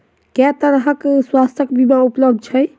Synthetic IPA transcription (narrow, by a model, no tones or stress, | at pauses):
kɛt̪əɾɦəkswast̪əkbimaupləb̚d̪̚ʱt͡ʃʰɛj